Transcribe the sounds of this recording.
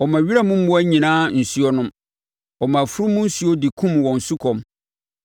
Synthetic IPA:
ɔ˨mã˨ɥi˦ɾa˦mʊ̃˦m̩˦ʊ˦æ˦ɲĩ˨nãː˦n̩˨su˦ɔ˦nʊ̃˦m | ɔ˨mã˨fʊ˦ɾʊ˦mʊ̃˦n̩˦su˦ɔ˦dɪ˨kʰũ˦mwɔ̃˨n̩˨su˦kʰɔ̃˨m

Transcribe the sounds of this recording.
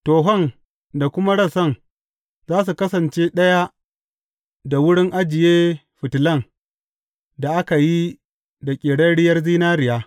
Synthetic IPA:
toː˨ɦɔ˦˨ŋ | da˨kʷʊ˦ma˦ɽɐ˦˨sɐ˦˨ŋ | zaː˦s̬u˨kɐ˦sɐ˨nt͡ʃeː˦ɗɐ˦ja˦ | da˨wʊ˦ɽɪ˦ŋʔa˦d͡ʒɪ˨jeː˦ | ɸɪ˨tlɐ˦˨ŋ | da˨ʔa˦ka˨ji˦ | da˨kʲʼeː˨ɽɐ˦ɽɪ˦jɐ˦rziː˦naː˦ɾɪ˨jaː˦

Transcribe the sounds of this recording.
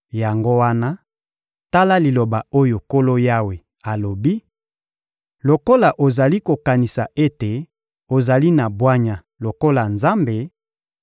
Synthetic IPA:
ja˨ŋɡo˦wa˦na˦ | ta˦la˦li˨lo˨ba˨o˦jo˨ko˦lo˦ja˦we˨ | a˨lo˨bi˦ | lo˨ko˦la˨ʔo˨za˨li˦ko˨ka˨ni˨sa˨ʔe˦te˨ | o˨za˨li˦na˨bwa˦ɲa˨ | lo˨ko˦la˨nza˦mbe˨

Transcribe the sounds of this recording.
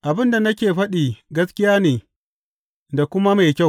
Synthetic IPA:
ʔa˨bɪ˦nda˨nɐ˦kʲeː˨ɸɐ˦ɗiː˨ɡɐ˦skʲɪ˦jaː˦neː˨ | da˨kʷʊ˦ma˦ma˨jkʲa˦˨w

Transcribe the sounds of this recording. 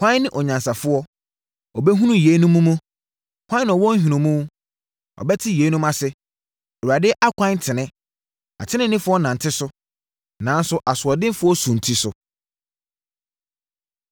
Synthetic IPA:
kʰʷã˦nɪ̃˦ʔɔ˨ɲã˨nsa˨fʊ˦ɔ˦ | ɔ˨bɛ˦ɦũ˦nũ˦je˨˦nũ˦mũ˦mũ˦ | kʰʷã˦ñ˨ɔ˨wɔ̃˦n̩˦ɦᶣĩ˨nũ˨mũ˦ | ɔ̰˨bɛ˦tʰɪ˦je˨˦nũ˦mã˦sɪ˦ | ɛ˨u˨a˨dɪ˦ʔa˦kʷʰã˦ntʰɪ˨nɪ̃˦ | a̰˨tʰɪ̃˦nɪ̃˦nɪ̃˦fʊ˦ɔ˦nã˨n˨tʰɪ˦sʊ˦ | nã˨n̩˦sʊ˦ʔa˨sʊ˨ɔ˨dɪ̃˦m˦fʊ˦ɔ˦sũ˨n̩˨tʰi˦sʊ˨

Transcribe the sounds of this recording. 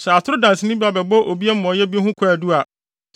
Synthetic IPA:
sɛ˨a˨tʰʊ˦ɾʊ˦dã˨n˨sɪ˨nɪ̃˦bi˦a˨bɛ˨bɔ˦ʔo˨bi˦a˦m̩˦mɔ̃˨jɛ˦bi˦e˦ɦʊ̃˦kʰʊ˦a˨du˦a˨

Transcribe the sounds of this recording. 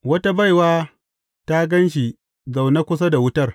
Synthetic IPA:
wɐ˦ta˦ba˦jwaː˦ | ta˦ɡɐ˦nʃ̬i˨ | za˨wna˦kʷʊ˦s̬a˦da˨wʊ˦tɐ˦r

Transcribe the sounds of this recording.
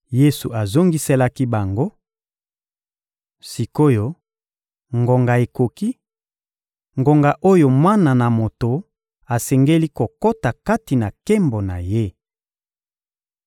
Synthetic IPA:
je˦su˨ʔa˨zo˦ŋɡi˦se˦la˦ki˦ba˨ŋɡo˦ | si˨ko˦jo˦ | ŋɡo˨ŋɡa˨e˨ko˨ki˦ | ŋɡo˨ŋɡa˨ʔo˦jo˨mwa˦na˨na˨mo˨to˨ | a˨sɛ˨ŋɡe˦li˦ko˨ko˦ta˨ka˦ti˨na˨ke˦mbo˨na̰˨je˦

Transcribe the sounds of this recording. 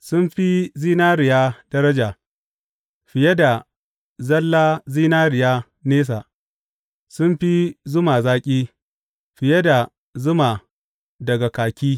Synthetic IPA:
sʊ˦mɸi˦ziː˦naː˦ɾɪ˨jaː˦dɐ˦ɾɐ˦d͡ʒaː˨ | ɸɪ˨je˦da˨ | zɐ˦lːaː˦ziː˦naː˦ɾɪ˨jaː˦ | neː˦s̬a˨ʔ | sʊ˦mɸi˦zʊ˦maː˨zaː˦kʲʼiː˦ | ɸɪ˨je˦da˨ | zʊ˦ma˨ | dɐ˨ɡa˨kaː˨kʲiː˦

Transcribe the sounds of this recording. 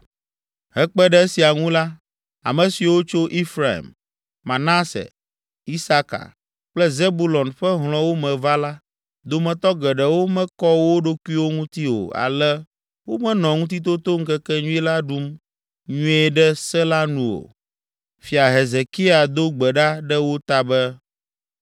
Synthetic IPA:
ɦɛ˦k͡pɛ˦ɖɛ˦si˨a˨ŋũ˦la˦ | a̰˨mɛ̃˨si˨wo˦t͡ʃo˦ʔi˦fɾa˨ḭ˨m | mã˨na˦sɛ̰˨ | i˦sa˦ka̰˨ | k͡plɛ˦ze˦bu˦lɔ˨nɸɛ˦ɦl̃ɔ̃˨wo˦mɛ̃˨va˦la˦ | d̪o˨mɛ̃˨t̪ɔ˦ɡɛ˨ɖɛ˨wo˦mɛ̃˦kɔ˦wo˦ɖo˦ku˦i˦wo˦ŋũ˦t̪i˦o̰˨a̰˨lɛ˦ | wo˦mɛ̃˦nɔ̃˨ŋũ˦t̪̬i˦t̪̬o˦t̪o˦ŋ̩˦kɛ˦kɛ˦ɲũ˦i˦la˦ɖu˦m | ɲũ˦ɛ˦ɖɛ˦sɛ˦la˦nũ˦o̰˨ | fi˨a˨ɦe˨ze˨ki˦a˨d̪o˦ɡ͡bɛ˨ɖa˦ɖɛ˦wo˦t̪a˦bɛ˦

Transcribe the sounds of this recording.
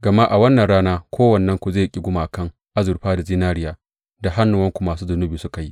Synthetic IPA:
ɡɐ˨ma˦ʔa˨wɐ˦nːɐ˨nɽaː˦naː˦kʷoː˦wɐ˨nːɐ˦ŋkʷu˨zeː˦˨jkʲʼɪ˦ɡʷʊ˦maː˨kɐ˦˨ŋ | ʔa˦zʊ˨ɾɸaː˦da˨ziː˦naː˦ɾɪ˦jaː˨ | da˨ɦa˦nːʊ˨wɐ˦ŋkʷu˨maː˨suː˦zʊ˨nʊ˦biː˨sʊ˦ka˨ji˦ʔ

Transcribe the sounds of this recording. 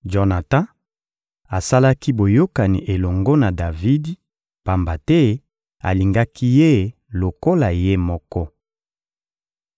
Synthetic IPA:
d͡ʒɔ˨na˨tã˦ | a˨sa˦la˦ki˦bo˨jo˦ka˨nḭ˨ʔe˨lɔ˨ŋɡo˦na˨da˨vi˦di˦ | pa˨mba˨tɛ˦ | a̰˨li˨ŋɡa˦ki˦je˦ | lo˨ko˦la˨je˦mɔ˦kɔ˦

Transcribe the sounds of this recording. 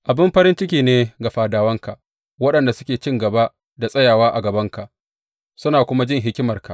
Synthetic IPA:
ʔa˨bɪ˦mɸɐ˦ɾɪ˦nt͡ʃɪ˦kʲiː˨neː˦ɡa˨ɸaː˨daː˨wɐ˦ŋka˨ʔ | wɐ˦ɗɐ˨nda˨sʊ̥˦kʲeː˨t͡ʃɪ˦ŋɡɐ˨ba˦ʔ | da˨sʼɐ˦jaː˨waː˦ʔa˨ɡɐ˨bɐ˦ŋka˨ʔ | sʊ˦naː˨kʷʊ˦ma˦d͡ʒɪ˦˨ŋɦɪ˦kʲɪ˦mɐ˨rka˨ʔ

